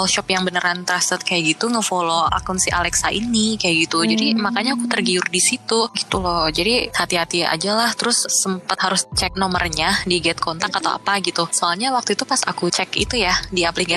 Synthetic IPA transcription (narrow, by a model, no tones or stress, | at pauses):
ɔlʃɔpjaŋbənəɾant̪əɾast̪ət̪̚kajaʔɡit̪uŋəfoloa̰kunsiʔa̰lɛksaʔḭnikajaʔɡit̪ud͡ʒadimakaɲakut̪ərɡiʊrdisit̪uɡit̪ulɔd͡ʒadihat̪iɦat̪ia̰d͡ʒalaht̪əɾʊsːəmpət̪haɾʊst͡ʃɛk̚nɔmərɲadiɡɛt̪̚kʰɔnt̪akat̪a̰wa̰paɡit̪usoalɲawak̚t̪uit̪upasa̰kut͡ʃɛkḭt̪ujadiapliɡa